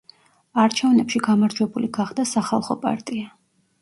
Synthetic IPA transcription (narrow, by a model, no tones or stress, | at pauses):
aɾt͡ʃʰɛvnɛpʃiɡamaɾd͡ʒwɛbuliɡaχd̪asaχalˠχɔpʼa̰ɾt̪ʼia